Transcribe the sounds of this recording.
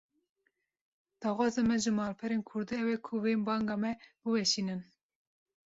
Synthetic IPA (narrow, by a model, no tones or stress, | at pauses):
d̪̥ɑːxʷɑːzemɛʒɨmɑːlpʰɛɾeːnkʰʊɾd̪iːɛwɛkʰuvembɑːŋɡɑːmɛbɨwɛʃiːnɨn